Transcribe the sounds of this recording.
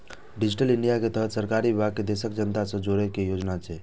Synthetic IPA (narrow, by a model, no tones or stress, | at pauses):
ɖid͡ʒiʈəliɳɖijaket̪əɦət̪səɾkaɾibebʱaɡ̚ked̪esək̚d͡ʒənt̪asə̃d͡ʒoɾɛkejod͡ʒnat͡ʃʰɛ